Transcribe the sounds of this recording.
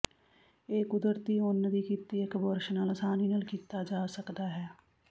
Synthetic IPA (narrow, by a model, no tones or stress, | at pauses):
eːkʊd̪əɾt̪iːʊnd̪iːkit̪ːiːɪkbəɾʃnaːləsaːniːnaːlkiːt̪aːd͡ʒaːsəkd̪aːɦɛː